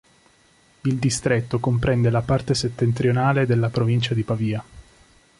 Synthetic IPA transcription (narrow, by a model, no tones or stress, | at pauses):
ild̪ist̪ɾet̪ːokompɾɛnd̪elapart̪eset̪ːent̪ɾjonaːled̪elːapɾovint͡ʃad̪ipaviːa